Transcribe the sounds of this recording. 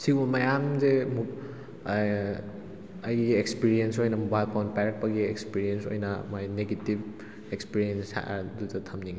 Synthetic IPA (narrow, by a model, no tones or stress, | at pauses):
siumɐjamzemu | ɐjɡiekspiɾiensojnɐmubajlpʰawnpaɾk̚pɐɡiekspiɾienso̰jnɐmajneɡetib̚ | ekspiɾiensa̰duzɐtʰɐmniŋɡi